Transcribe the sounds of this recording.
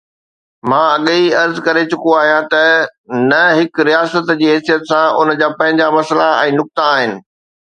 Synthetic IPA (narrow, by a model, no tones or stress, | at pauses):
mãːɐɠiɐɾzkɐɾet͡ɕʊkoaːɦijãt̪ɐnɐɦɪkɾijaːsət̪d͡ʑiːɦɛːsijət̪sãʊnd͡ʑaːpɐ̃ɦɪ̃ɲd͡ʑamɐslaɛ̃ːnʊk̚t̪aaːɦɪnɪ̆